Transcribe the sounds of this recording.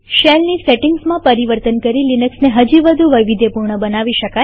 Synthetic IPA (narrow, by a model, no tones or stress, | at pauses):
ʃelniseʈɪ̃ŋɡsmãpəɾiʋəɾt̪ənkəɾilinəksneɦəd͡ʒiʋəd̪ʱuʋəjʋid̪ʱjepuɾɳəbənaʋiʃəka